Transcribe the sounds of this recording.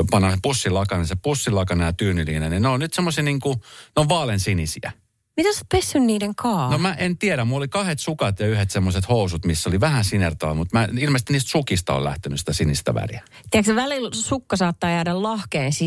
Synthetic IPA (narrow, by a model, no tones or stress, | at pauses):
pɑnːɑsepusːilɑkɑnesepusːilɑkɑnejɑt̪yːnyliːnenineonnyt̪semːosiniːŋkuneoʋʋɑːlensinisḭæ̰ | mit̪ese̥t̪̚pesːynniːdeŋkʰɑːnomæʔent̪ieɾæmulːolikɑhet̪sukɑt̪jɑyhet̪semːoset̪housut̪misːoliʋæhænsinert̪ɑ̰ːlmut̪mæilmest̪iniːst̪sukist̪ɑo̰læ̰ht̪enysi̥t̪æsinist̪æ̰ʋæ̰riæ | t̪iækseʋælilsukːɑsɑːt̪ːɑːjæːdællɑhkeːsiː